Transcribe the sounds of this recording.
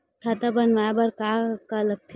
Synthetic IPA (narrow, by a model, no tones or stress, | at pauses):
t̪ʰat̪abɐnʋabɐɾkakaləɡ̚t̪ʰ